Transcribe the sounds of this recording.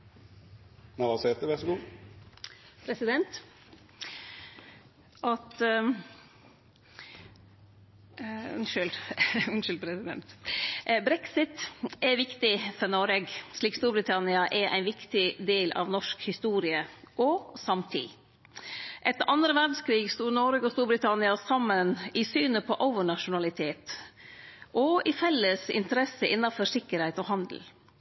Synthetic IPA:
nɑʋɑset̪əʋæsɡuː | pʰɾɛsɪd̪ɛnt̪ | ʔɑt̪ | ʉ̰nʃʉlʉnʃʉlpʰɾɛsɪd̪ɛ̰nt̪ | bɾɛksɪt̪ɛʋɪkt̪ɪfɔɾnɔɾɛɡʂɭiːkst̪uːɾbɾɪt̪ʰɑnɪɑʔɛɾʔæ̰ɪnʋɪkt̪ɪd̪eːlʔɑ̰ʋnɔʂkhɪst̪uːɾɪəʔɔsɑmt̪ʰḭː | ʔɛt̪ːʔɑnd̪ɾəʋæɾɖskʰɾiːɡst̪uːɾnɔɾəɡɔst̪uːɾbɾɪt̪ʰɑnɪɑsɑmːənɪsyːnəpʰɔʔəʊʋəɳɑʂʊnɑlɪt̪ʰeːt̪ | ʔɔɪfɛlːəsɪ̰nt̪əɾɛsəʔɪnːɑfɔʂɪkːəɾhɛɪt̪ɔɦɑnd̪l̩

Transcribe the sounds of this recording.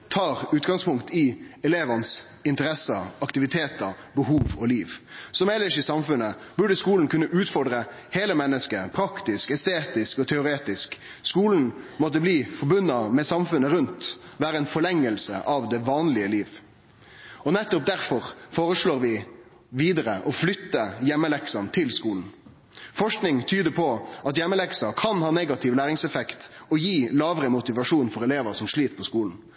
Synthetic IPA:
t̪ʰɑːɾʉːt̪ɡɑŋspʊŋkt̪ʰɪɛleːʋɑns | ɪnt̪əɾɛsəɑkt̪ɪʋɪt̪ʰeːt̪ə | bəɦuːʋɔliːʋsɔmɛlːəʂisɑmfʉnːəbʉɖəskuːln̩kʰʉnːəʔʉːt̪fɔɖʁə | heːləmɛnːəskəpʰɾɑkt̪ɪskɛst̪eːt̪ɪskɔt̪ʰɛʊɾeːt̪ɪsk | skuːln̩mɔt̪̬ːəbliːfɔɾbʉnːɑmɛsɑmfʉnːəɾʉnt̪ | ʋæːɾəɛnfɔɭɛŋːəlsə̰ʔɑʋd̪ɛʋɑːnlɪəliːʋ | ɔnɛt̪ːʊp̚d̪æɾfɔʁfoːʁəʂɭoːʁʋɪ | ʋiːd̪əɾəʔɔflʏt̪ːəjɛmːəlɛksɑnt̪ʰɪlskuːln̩ | fɔʂknɪŋt̪ʰyːd̪əpʰɔɑt̪jɛmːəlɛksɑkʰɑnhɑːneɡɑt̪ʰɪʋlæːɾɪŋsɛfɛkt̪ɔjiːlɑːʋɾəmʊt̪ɪʋɑʂuːnfɔɾɛleːʋəʁsɔmʂɭiːt̪pʰɔskuːln̩

